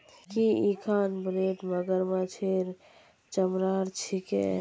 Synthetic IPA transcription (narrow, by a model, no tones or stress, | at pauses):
kiikʰanbɾeʈməɡəɾmãt͡ʃʰeɾ | t͡ʃəmɾaɾt͡ʃʰikḛ